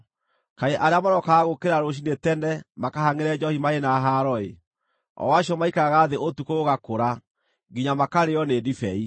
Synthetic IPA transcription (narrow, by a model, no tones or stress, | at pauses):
kaeʔaɾeamaɾɔkaːɣokeɾaɾoɕ̬inetɛnɛmakahaŋeɾɛd͡ʒɔhimaenaɦaɾɔḛ | ɔ̰waɕiɔmaikaɣaːðeotukooɣakoɾa | ɡiɲamakaɾeɔnedifɛi